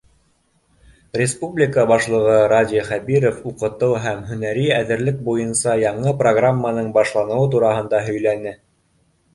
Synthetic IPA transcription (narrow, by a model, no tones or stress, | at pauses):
rʲɪspublʲɪkəbɑʃlˠɤ̆ʁɤɾadʲiχæbiɾofuqɤ̆t̪ɤwɦæmɦɵ̆næɾiæðɘ̆ɾlɘk̚bujɤnsɑjɑɴɤproɡramːənɤɴbɑʃlˠɑnɤ̆wɤt̪̬uɾɑɦɤ̆nd̪ɑɦɵ̆jlænɘ